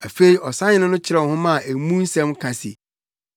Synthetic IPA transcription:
a˨fe˨i˨ʔɔ˨sa˦ɲɪ̃˦nʊ̃˦nʊ̃˦t͡ɕʰɪ˦ɾɛ˨ɔ̃˨hʊ̃˦mã˦˨e˨mũ˦n̩˦sɛ̃˦mkʰã˨sḭ˨

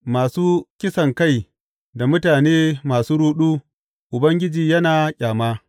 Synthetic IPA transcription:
maː˨suː˦kʲɪ˦sɐ˨ŋka˦˨j | da˨mʊ˦taː˨neː˦maː˨suː˦ɽuː˦ɗuː˦ | ʔʊ˨bɐ˦ŋɡʲɪ˦d͡ʒiː˨jɐ˦naː˨cʲʼaː˨maː˦

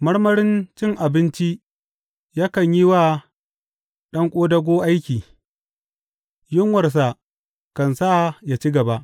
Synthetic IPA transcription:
mɐ˦ɽmɐ˦ɽɪ˦nt͡ʃɪ˦ŋʔa˨bɪ˦nt͡ʃi˦ʔ | jaː˦kɐ˨ɲji˦waː˦ | ɗɐ˦ŋkʷʼoː˦dɐ˦ɡʷoː˦ʔa˦jkʲiː˨ | jʊ˦ŋwɐ˨rs̬a˨ | kɐ˨nsa˦˨ja˨t͡ʃi˦ɡɐ˨ba˦ʔ

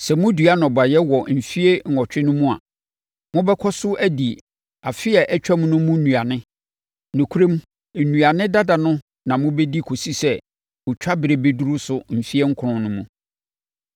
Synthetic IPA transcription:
sɛ˨mʊ̃˦dɥa˦nʊ̃˨ba˨jɛ˦wɔ˨m̩˨fi˦e˦ŋ̩˨ɔ˨t͡ɕᶣɪ˦nʊ̃˦mũ˦a̰˨ | mʊ̃˦bɛ˦kʰɔ˦sʊ˦ʔæ˦di˨ | a˨fɪ˦ɛ˨ʔɛ˦t͡ɕᶣa˦m̃˦nʊ̃˦mʊ̃˦nũ˨a˨nɪ̃˦ | nʊ̃˨kʰu˦ɾẽ˦m˦˨ | nũ˨a˨nɪ̃˦da˦da˨nʊ̃˦ | nã˨mʊ̃˦be˦di˦kʰo˨si˦sɛ˦ | ʊ˨t͡ɕᶣa˦bɪ˨ɾe˨be˦du˦ɾʊ˦sʊ˦m̩˨fi˦e˦ŋ̩˦kʰʊ˨nʊ̃˨nʊ̃˦mṵ̃˦

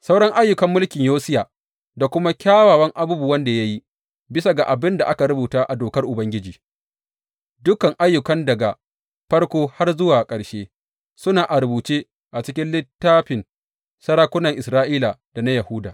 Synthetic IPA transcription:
sa˦wɽɐ˦ŋʔa˦jːʊ˨kɐ˦mːʊ˦lkʲɪ˨ɲjoː˦sɪ˦jaː˨ | da˨kʷʊ˦ma˦kʲaː˦waː˨wɐ˦ŋʔa˨bu˦bu˨wɐ˦nda˨ja˦ji˦ | bɪ˦sa˨ɡa˨ʔa˨bɪ˦nda˨ʔa˦ka˨ɽʊ˦buː˨taː˦ʔa˨doː˨kɐ˦rʔʊ˨bɐ˦ŋɡʲɪ˦d͡ʒiː˨ | dʊ˦kɐ˨ŋʔa˦jːʊ˨kɐ˦ndɐ˨ɡa˨ | ɸɐ˦rkʷoː˦ha˦rzʊ˦waː˨kʼɐ˨ɽʃeː˦ | sʊ˦naː˨ʔa˨ɾʊ˨buː˨t͡ʃeː˦ | ʔa˨t͡ʃɪ˦kʲɪ˦nlɪ˦tːaː˦ɸɪ˨n | sɐ˦ɾaː˦kʷʊ˦nɐ˨ŋʔɪ˨sɾaː˦ʔiː˦la˨d̥a˨na˦jɐ˨huː˦daː˨

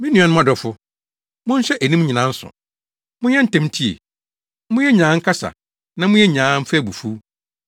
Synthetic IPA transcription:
mĩ˦nĩ˨˦a˨˦nʊ̃˦a˨dɔ˨fʊ˦ | mʊ̃˦n˦ɕɛ˦ʔæ˨nĩ˦m˦ɲĩ˨nã˦n̩˦sʊ̰˨ | mʊ̃˦ɲɛ̃˦n̩˨tɛ̃˦m˦tʰi˦ḛ˨ | mʊ̃˦jɛ˦ɲãː˨˦ŋ̩˦kʰa˦sa̰˨ | nã˦mʊ̃˦jɛ˦ɲãː˨˦m̩˦fɛ˦˨bu˨fu˦

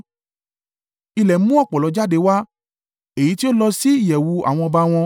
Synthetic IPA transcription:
i˧lɛ˨m̩˦mũ˦ɔ˦˨k͡pɔ˨lɔ˨˧˦d͡ʒa˦de˧˦wa˦ | e˨ji˨˦ti˦o˦lɔ˧si˦i˦˨jɛ˨wu˨˧˦a̰˨w̃ɔ̃˧ɔ˧ba˧w̃ɔ̃˧

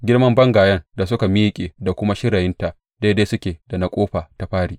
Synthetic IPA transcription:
ɡʲɪ˦ɽmɐ˦mbɐ˦ŋɡaː˨jɐ˦nda˨s̬ʊ˦ka˨mi˦jkʲʼeː˨da˨kʷʊ˦ma˦ʃɪ˦ɽɐ˨jɪ˦nta˨ʔ | da˦deː˦jsʊ˦kʲeː˨da˨na˦kʷʼoː˦ɸa˨ta˨ɸaː˦ɽiː˨ʔ

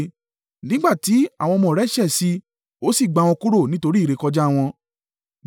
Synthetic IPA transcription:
nĩ˦ɡ͡ba˦˨ti˨˦a̰˦˨w̃ɔ̃˧mɔ̃˨ɾɛ˦ʃɛ˦˨si˧˦ | o˦si˦˨ɡ͡ba˨˧˨wɔ̃˧ku˦ɾo˦˨nĩ˦to˧ɾi˦˨ɾe˨˦˨kɔ˧d͡ʒa˦˨w̃ɔ̃˧

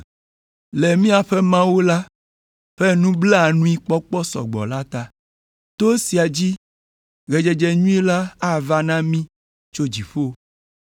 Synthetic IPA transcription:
le˨mĩ˦a˨ɸɛ˦mã˦wo˦la˦ | ɸɛ˦nũ˦ble˦a˨nũ˦i˦k͡pɔ˦k͡pɔ˦sɔ̰˨ɡ͡bɔ̰˨la˦t̪a˦ | t̪o˦si˨a˨d͡ʑi˦ | ɣe˨d͡ʒɛ˨d͡ʒɛ˨ɲũ˦e˦la˦a˦˨va˦nã˦mĩ˦ | t͡ʃo˦d͡ʑi˨ɸo˦

